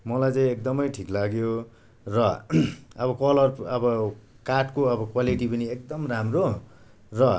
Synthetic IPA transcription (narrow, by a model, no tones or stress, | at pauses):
mʌlajt͡saĩekd̪ʌmʌjʈʰiklaɡjo | rʌ | ʌbʌkʌlʌrʌbʌ | kaʈkoʌbʌkwaliʈipʌniekd̪ʌmramro | rʌ